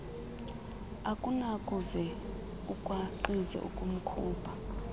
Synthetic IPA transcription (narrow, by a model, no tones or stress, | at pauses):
akʼunakʼuzɛ | ukʼwaǃizɛ̰ʔṵkʼum̩kʰuːbʰʱa